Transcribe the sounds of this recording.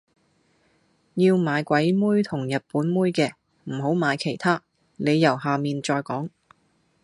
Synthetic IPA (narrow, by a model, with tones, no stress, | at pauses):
jiː˧wmaː˨˧jkʷɐ˨˥jmuː˥jt̪ʰʊ˨˩ŋjɐ˨t̚puː˨˥nmuː˥jkɛː˧ | m̩˨˩ɦo˨˥wmaː˨˧jkʰe˨˩jt̪ʰaː˥ | nle˨˧jjɐ˨˩wɦaː˨miː˨nt͡ʃɔː˧jkɔː˨˥ŋ